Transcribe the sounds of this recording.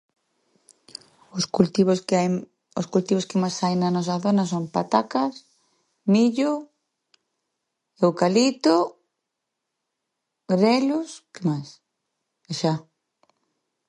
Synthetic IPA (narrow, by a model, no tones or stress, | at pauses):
ʊsut̪i | ʊskult̪iβʊskɪmajsajnɐnɔs̬ɐθonɐs̬ompat̪akas | miʎʊ | ewkalit̪ʊ | ɾɛlʊskemajs | eʃa